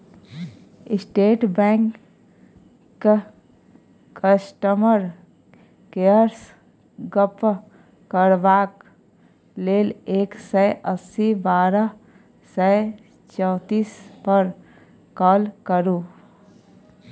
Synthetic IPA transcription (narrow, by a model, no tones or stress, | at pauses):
ɪsʈeːʈbɛ̃ːŋk | kəsʈəməɾ | keəɾs | ɡəp | kəɾʋaːk | leːleːksɛʔəsibaːɾə | sɛ | t͡ʃɔːt̪iːspəɾ | kɔːlkəɾuː